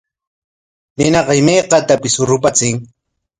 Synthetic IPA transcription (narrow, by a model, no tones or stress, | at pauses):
nɪnɑqɑɪmajqɑt̪apɪsʊɾʊpat͡sɪŋ